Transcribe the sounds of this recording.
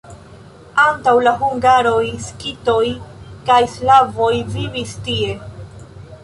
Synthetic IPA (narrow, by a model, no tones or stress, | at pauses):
antawlaɦuŋɡaɾo̞jskito̞jkajslavo̞jvivistie̞